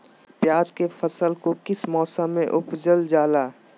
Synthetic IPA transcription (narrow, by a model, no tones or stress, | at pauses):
pjaːd͡ʒkefʰəsəlkokɪsmɔːsəmːẽʔʊpd͡ʒəld͡ʒaːlaː